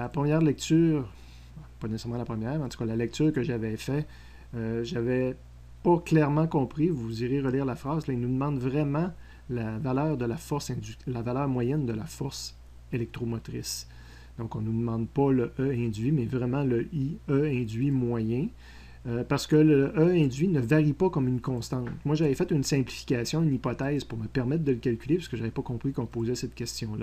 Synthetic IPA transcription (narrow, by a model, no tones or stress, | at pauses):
lapʁəmjɛːʁlɛk̚t̪yːʁ | pʌnesesɛmɑ̃lapʁəmjɛːʁmɑ̃t̪u̥kalalɛk̚t̪yːʁkəʒavɛfɛ | øʒavɛ | pʌklɛʁmɑ̃kɔ̃pʁivuziʁeʁəliːʁlafʁɑːzlailnud̪əmɑ̃d̪vʁɛmɑ̃ | lavalœːʁd̪əlafɔʁsɛ̃d͡zyst̪lavalœːʁmwajɛnd̪əlafɔʁs | elɛk̚t̪ʁomɔt̪ʁɪs | d̪̥ɔ̃kɔ̃nud̪əmɑ̃ːd̪̚paləʔœɛ̃d͡zɥimɛvʁɛmɑ̃ləʔiœɛ̃d̪zɥimwajɛ̃ | paʁsə̥kələʔœɛ̃dd͡zɥinəvaʁipakɔmynkɔ̃st̪ɑ̃t̪mwaʒavɛfɛt̪ynsɛ̃plifi̥kʲasjɔ̃ynipɔt̪ɛːzpuʁməpɛʁmɛt̪̚d̪ələkʲalkʲylepḁsəkəʒavɛpʌkɔ̃pʁikɔ̃poːzɛsɛt̪̚kʲɛst̪jɔ̃lʌ